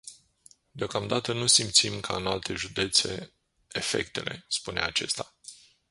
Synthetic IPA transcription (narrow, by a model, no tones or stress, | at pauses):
d̪eo̞kamd̪at̪ənusimt̪simkʰaɨnalt̪e̞ʒud̪e̞t̪se̞̰ | efe̞̰kt̪e̞̰lʔe̞̰spune̞̰at͡ʃe̞st̪a